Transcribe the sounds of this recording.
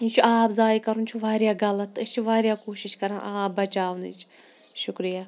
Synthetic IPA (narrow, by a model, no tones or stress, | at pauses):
it͡ʃʰuʔaːpzaːjkɐɾunt͡ʃʰuʋaːɾjaːɡɐlɐt̪ːest͡ʃʰiʋaːɾʲjaːkoːʃiʃkɐɾãʔaːp̚bɐt͡ʃaːʋnḭt͡ʃʰ | ʃʊkɾijaː